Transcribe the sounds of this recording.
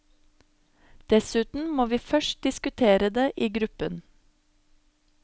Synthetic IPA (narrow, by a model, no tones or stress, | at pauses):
d̪̥ɛsʉːt̪n̩moːʋiːfœʃt̚d̪ɪskʉt̪ʰeːɾəd̪eːʔiːɡɾʉpən